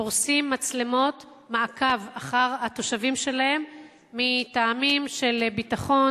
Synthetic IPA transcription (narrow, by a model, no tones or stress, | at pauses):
oʁsimːat͡slemo̞t | maːkavaχaʁat̪o̞ʃavimʃe̞lahe̞mː | itaːmimʃe̞lbitaχo̞